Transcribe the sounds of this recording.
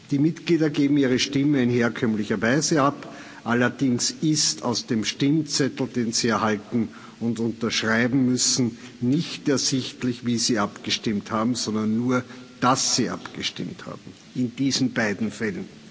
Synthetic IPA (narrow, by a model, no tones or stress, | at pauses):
d̥iːmɪtɡ̥liːdɐɡeːbm̩iːʁ̞əʃtɪməɪnheːɐkʰœmlɪçɐvaɪzəap | ʔalɐd̥ɪŋsɪstʰɑʊsd̥eːmʃtɪmt͡sɛtl̩d̥eːnz̥iːɛɐhaltn̩ | ʊntʊ̃ntɐʃʁ̥aɪbm̩mʏsn̩nɪçtɛɐzɪçtlɪçviːziːʔapɡ̥əʃtɪmthaːbm̩sɔndɐnːuːɐd̥asːiːʔa̰pɡ̥əʃtɪ̰mtha̰ːbm̩ | ɪnd̥iːzn̩baɪdn̩fɛlən